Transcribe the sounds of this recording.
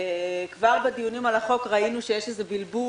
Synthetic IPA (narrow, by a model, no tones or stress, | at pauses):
kvaʁbed̪ijunimalaχo̞kʁainuʃejeʃezebilbu